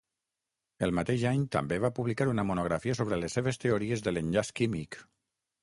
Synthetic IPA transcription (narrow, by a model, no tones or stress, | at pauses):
əlˠmat̪eʒaɲt̪ə̰mbeβapuβlikaɾunəmunuɣ̞ɾafiəs̬oβɾələsːeβ̞est̪eoɾiezðələnʎaskimik